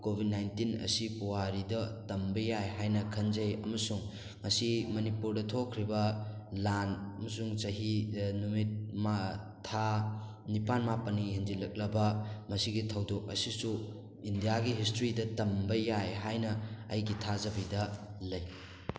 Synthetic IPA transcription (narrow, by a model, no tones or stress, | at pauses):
kobʱid̚najntinɐ̰sipuwaɾidɐtɐmbɐjajɦajnɐkʰɐnzɐjɐ̰mɐsuŋ | ŋɐsimɐnipuɾdɐtʰokʰːɾibɐ | lanɐmɐsuŋt͡ʃɐɦinumit̚maː | a | nipanmapɐniɦind͡ʒilɐk̚lɐbɐmɐsiɡitʰɐwdok̚ɐsisu | indijaɡiɦistɾidɐtɐmbɐjajɦajnɐɐ̰jɡitʰazɐbidɐlɐj